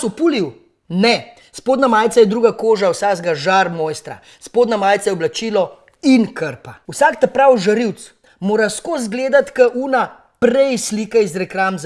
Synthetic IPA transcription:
supuliw | nɛ | spoːd̪namaːjt̪sajɛd̪ɾuːɡakoːʒawsazɡaʒaɾmoːjst̪ɾa̰ | spoːd̪namaːjt̪sajɛɔblat͡ʃiːlɔ | inkʰəɾpauwsaːkt̪ɛpɾawʒɐɾiwt̪s | moːɾaskozɡleːd̪at̪kəʔuːna | pɾɛjsliːkɛizɾɛkɾamz

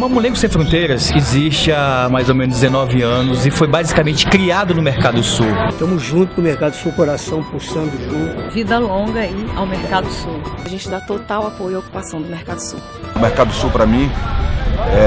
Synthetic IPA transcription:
mɐ̃mulẽɡʊsẽj̃fɾõnt̪ejɾɐsɪziʃt͡ʃɪamajzowmẽnʊzd̪ɪzenɔvɪɐ̃nʊzɪfojbazikamẽnt͡ʃɪ̥kɾiad̪ʊnʊmeɾkad̪ʊsuwʃt̪ɐ̃mʊzʒũnt̪ʊ̥kõmeɾkad̪ʊsukoɾasɐ̃w̃pusɐ̃nd̪ʊʒũnt̪ʊvid̪ɐlõɡɐiawmeɾkad̪ʊsuwaʒẽnt͡ʃɪd̪at̪ot̪awapojioku̥pasɐ̃w̃d̪ʊmeɾkad̪ʊsṵw | ʊmeɾkad̪ʊsuwpɾamĩ | ɛ

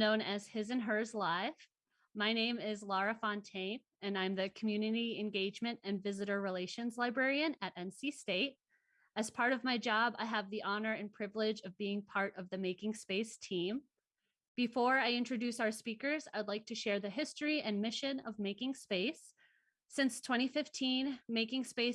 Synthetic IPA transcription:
nõʊ̃nɨz̥hɪzɨ̃nə˞zlaɪf | maɪnẽɪ̃mɪzlɑɹɨfɑ̃ntʰẽɪ̃m | ɨ̃nãɪ̃mðɨkʰm̩jʉnɨɾiɨ̃nɡeɪd͡ʒmɨ̃ntɨ̃nvɪzɨɾə˞ɹileɪʃɨ̃nzlaɪbɹɛɹiɨ̃nɨɾɛ̃nsisteɪɾ̚ | ɨz̥pʰɑɹɾʌvmaɪd͡ʒɑba̰ɪəvðiʔɑnə˞ɨ̃npʰɹ̥ɪvlɪd͡ʒʌvbiɪ̃ŋpʰɑɹɾʌvðɨmeɪkɪ̃ŋspeɪstʰĩm | b̥ɨfɔɹaɪɪ̃nt͡ʃɹ̥ɨdʉsaʊə˞spikə˞zaɪwdˡlaɪk̚tʰɨʃɛɹðɨɦɪstɹ̥iʔɨ̃nmɪʃɨ̃nʌvmeɪkɪ̃ŋspeɪsː | ɪ̃nstʰw̥ɛ̃ɾ̃ifɪftʰĩnmeɪkɪ̃ŋspeɪ

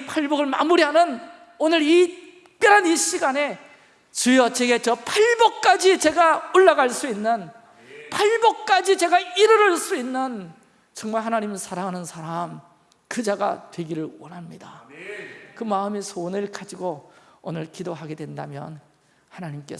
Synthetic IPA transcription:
pʰaɭbʌɡɯɭma̰muɾiɦanɯn | onɯɾi | k͈eɾaniɕ͈iɡane̞ | t͡ɕɯjʌt͡ɕeɡe̞t͡ɕʌpʰaɭbʌk̚k͈ad͡ʑit͡ɕe̞ɡaoɭːaɡaɭs͈uinːɯn | pʰaɭbʌk̚k͈ad͡ʑit͡ɕe̞ɡaiɾɯɾɯɭs͈uinːɯn | t͡ɕʌŋmaɭɦanaɲimsʰaɾaŋɦanɯnsʰaɾam | kɯd͡ʑaɡa̰twe̞ɡiɾɯɭwʌnɦamɲida | kɯmaɯmisʰonɯɭkad͡ʑiɡoonɯɭkidoɦaɡe̞dwe̞nda̰mjʌ̰n | hanaɲimk͈e̞

